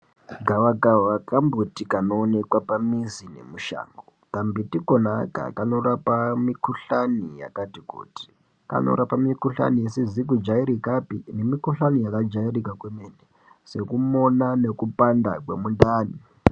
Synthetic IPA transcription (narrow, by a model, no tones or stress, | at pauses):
ɡʱawaɡawakambotikanoːne̞kwapamizinḛmuʃa̰ːŋɡotambitikonaka̰kano̞ɾapamikuɬanija̰katikṵːti̥ | ka̰no̰ɾapamikuɬa̰niesizik̬ud͡ʒaiɾikapine̞mikuɬanijakad͡ʒairikakwemene | se̞kumo̞nane̞kupanda̰kwemundaːni